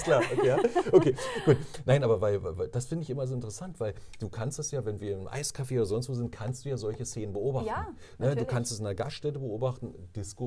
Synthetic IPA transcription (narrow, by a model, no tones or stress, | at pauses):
kl̥aːʔokʰeːjaːʔokʰeːɡ̥uːtnaɪnʔaːbɐvaɪlvavad̥asfɪndəɪçʔɪmɐzoːɪntəʁəsantv̥aɪld̥uːkʰanstd̥asjaːvɛnviːɐɪnəmʔa̰ɪskʰafeːoːdɐzɔnstv̥oːzɪnt̚kʰanstd̥uːjaːzɔlçəseːnənbəʔoːbaχtn̩ | nədduːkʰanstɛsɪndɐɡasʃtɛtəbəʔoːbaχtn̩d̥ɪsko